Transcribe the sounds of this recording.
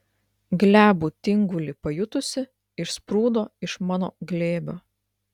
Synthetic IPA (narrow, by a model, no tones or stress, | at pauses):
ɡlʲæːbuːt̪ʲɪŋɡʊlʲɪpɐjʊt̪ʊsʲɪ | ɪʃspɾuːd̪oːɪʃmɑːno̰ːɡlʲeːbʲoː